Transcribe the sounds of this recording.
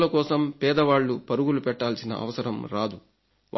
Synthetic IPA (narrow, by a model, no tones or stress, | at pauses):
lɐkɔːsɐmpɛːd̪ɐʋaːɭːupɐɾuɡulupɛʈːaːlsinɐ̰ʔɐ̰ʋɐsɐɾɐmɾaːd̪u | ʋ